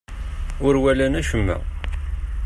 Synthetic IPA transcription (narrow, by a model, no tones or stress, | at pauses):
ʊɾwælænæʃəmːæ̰